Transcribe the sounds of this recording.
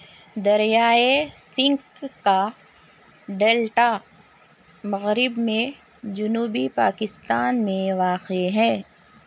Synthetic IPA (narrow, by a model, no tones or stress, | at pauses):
d̪ɐɾjaːesɪ̃ŋkkːa | ɖeːlʈa | mɐɣɾɪbmẽ | d͡ʒʊnuːbipaːkɪst̪aːnmẽʋaːqeɦɛ̃ː